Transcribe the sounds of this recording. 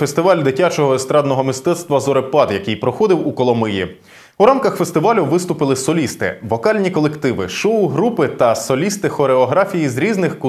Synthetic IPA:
fest̪ɪʋɑlʲd̪ɪtʲat͡ʃɔɦɔɛst̪ɾɑd̪nɔɦɔmist̪ɛt̪st̪ʋɐzɔɾepɑt̪jɐkijpɾɔxɔd̪ɪwukɔlˠɔmɪjḭ | uɾamkɐxfest̪ɪʋɑlʲuʋɪst̪ʊpɪlˠɪsɔlʲist̪ɪ̰ʋɔkɑlʲnʲikɔlˠekt̪ɪʋɪ̰ʃɔʊɦɾupɪt̪ɐsɔlʲist̪ɪxɔɾeɔɦɾafʲijizɾʲiznɪxku

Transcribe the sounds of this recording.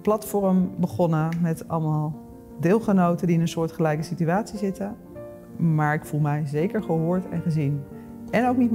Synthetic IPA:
plɑtfɔɹəmbəχɔnəmɛtɑ̰lˠmalˠ | dɪːlˠχənowtəndiɪnənsʊːɹtχəlɛjkəsityaːtsizɪtə | maːɹɪkfulˠmɛjzejkəɹχəɦʊːɹtɛ̰nχəzin | ɛnowknit

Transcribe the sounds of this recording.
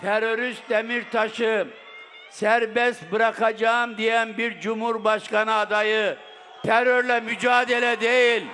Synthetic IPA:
t̪ʰɛɾo̞ɾyst̪̚emiɾt̪ʰaʃɯ | sæɾbɛst̪̚bɯɾakʰad͡ʒamd̪ijænbiɾd͡ʒumhuɾbaʃkanɯːd̪ajɯ | t̪ʰɛɾøɾlʲɛmyd͡ʒaːd̪elʲɛd̪ejilʲ

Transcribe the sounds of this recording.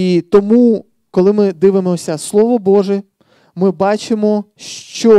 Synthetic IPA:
it̪ɔmu | kɔlˠɪmɪd̪ɪʋemɔsʲɐslˠɔʋɔbɔʒɛ | mɪbɑt͡ʃɪmɔʃt͡ʃɔ

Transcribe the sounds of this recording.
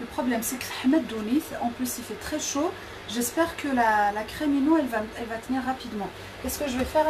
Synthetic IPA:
ləpχɔblɛmsɛkəlħamɛd̪ːuniθɑ̃plysilfɛt̪χɛʃo | ʒɛspɛʁkəlalakχɛminoɛlvaɛlvat̪əniʁːapid̪mɑ̃ | kɛskəʒəvɛfɛʁ

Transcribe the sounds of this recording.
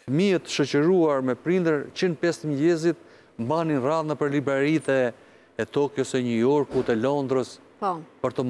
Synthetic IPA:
fəmiət̪ːʃɔt͡ɕəɾuaɾmɛpɾind̪əɾt͡ɕinpɛst̪əmlɛzit̪̚ | mbaninraðnapəɾlibɾɛɾit̪ɛː | t̪ɔkjɔsɛɲəjɔɾkut̪ɛlɔnd̪ɾəs | ɔpəɾt̪ɔm

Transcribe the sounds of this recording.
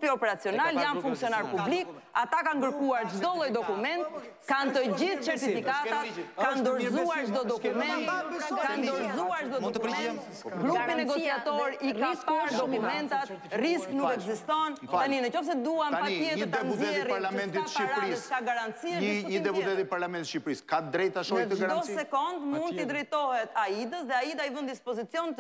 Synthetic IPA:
piɔpɛɾat͡siɔnaljanfuŋksiɔnaɾpublikat̪akaŋɡəɾkuaɾd͡ʒd̪ɔlˠɔjd̪ɔkumɛnt̪ | kant̪əɟiθsɛɾt̪iffikat̪atkand̪ɔɾzuaɾd͡ʒd̪ɔd̪ɔkumɛt̪kand̪ɔɾzuaɾd͡ʒd̪ɔdɔkmɛt̪ | ɡɾupinɛɡɔt͡siat̪ɔɾiiskɾd̪ɔkumɛnt̪at̪risknukɛɡzist̪ɔnaninət͡ʃɔfs̬ɛd̪uamt̪apajɛt̪d̪ɛnuzɛɛɾaɾlamɛ̃nt̪itʃiɾlaɾikaɡaɾant̪t͡siɛid̪ɛpuɛt̪ipaɾlamɛ̃nʃipɾiskad̪ɾɛjt̪aʃɔjt̪əɡaɾdɔsɛkɔnd̪mund̪əd̪ɾɛjt̪ɔhɛt̪aid̪əsðɛait̪aivənd̪ispɔzit͡sjɔnt̪

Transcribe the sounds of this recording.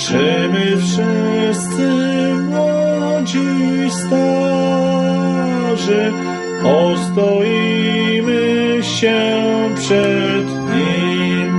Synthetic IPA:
ʐɛmɪfʂɪst̪sɘmwɔd͡ʑist̪ɔ | ʐɛ | ɔst̪ɔjimɘɕɛpʂɛd̪ɲim

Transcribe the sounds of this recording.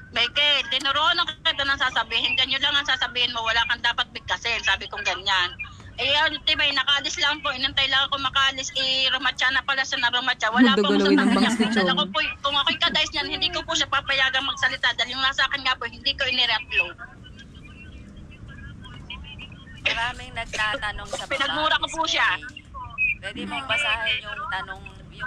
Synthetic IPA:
mɛjkɛt̪ɪnʊɾoʔonoŋkkɪt̪anɐŋsaːsɐbiːhɪnɡɐɲːolaŋɐŋsaːsɐbiːhɪnmowɐlaːkɐnd̪aːpɐt̪̚bɪɡ̚asɛnsaːbɪkʊŋɡɐɲan | ʔɛjant̪ɪbajnɐkɐaʔɐlɪslaŋpoʔɪnɐŋt̪ɐjlaːŋɐŋkoŋmɐkaʔɐlɪsʔɪɾomɐt͡ʃanɐpɐlaʃanɐɾomɐt͡ʃawɐlapaɐɐɲaŋɐɐkopokʊŋʔɐkoɪkɐd̪aʔjsɲanhɪnd̪ikopʊʃapapɐjaːɡɐŋmɐɡ̚sɐlɪt̪ad̪aljʊŋnasɐʔaːkɪnŋapohɪnd̪iːkoʔɪnɪɾɛk̪̚lo | mɐɾaːmɪŋnɐɡ̚t̪at̪ɐnoŋpɪnɐɡmuːɾɐkopuʃa | pwɛdd̪ɪmɐpɐsaʊt̪ɐnoŋ

